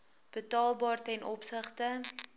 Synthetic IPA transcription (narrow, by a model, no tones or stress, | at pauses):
b̥ətɑːlˠbɑːrtɛnʔɔpsəχtə